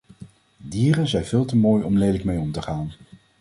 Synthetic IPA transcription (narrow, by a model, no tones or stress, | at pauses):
diːrənzɛjnvɪːlˠtəmoːjɔmlejdləkmejɔmtəχaːn